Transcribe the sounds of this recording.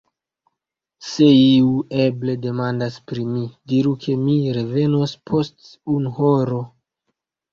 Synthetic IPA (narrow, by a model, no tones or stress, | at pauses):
se̞iue̞ble̞de̞mandaspɾimidiɾukʰe̞miɾe̞ve̞no̞spʰo̞st | unhoɾo̞